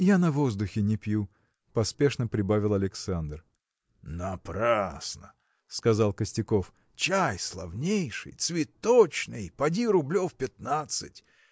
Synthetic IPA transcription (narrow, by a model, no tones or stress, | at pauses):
janɐvo̞zd̪ʊxʲɪnʲɪpʲju | pɐspʲe̞ʂnəpɾʲɪbavʲɪlˠɐlʲɪksand̪r | nɐpɾasnə | skɐzɑlˠkəsʲtʲɪko̞f | t͡ɕajslˠɐ̰vnʲejʂɨ̰jt̪svʲɪt̪ːot͡ɕnɨjpɐdʲiɾʊblʲofpʲɪt̪nat̪sɨtʲ